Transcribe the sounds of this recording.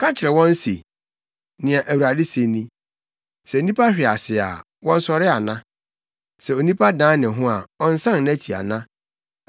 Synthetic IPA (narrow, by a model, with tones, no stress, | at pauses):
kʰã˦t͡ɕʰɪ˨ɾɛ˨wɔ̃˦n˦sḭ˨ | nɪ̃˨a˨ʔæ˨wu˨ɾa˨dɪ˦se˨nĩ˦ | sɛ˨o˨nĩ˦pʰa˦ɕᶣɪ˨a˨sɪ˨a̰˨ | wɔ̃˦n̩˦sɔ˦ɾɪ˦a˨nã˦ | sɛ˨o˨nĩ˦pʰa˦dãː˦nɪ̃˨ɦʊ̃˦a˨ɔ˦n̩˦sã˦nnæ˦t͡ɕʰi˨a̰˨nã˦